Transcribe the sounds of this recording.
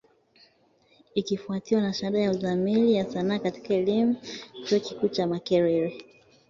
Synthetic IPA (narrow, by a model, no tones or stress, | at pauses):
ikifuatiwanaʃaɗajauðamilijasanaːkati̥kaɛlimut͡ʃɔɔkikuːt͡ʃamakɛɾɛɾi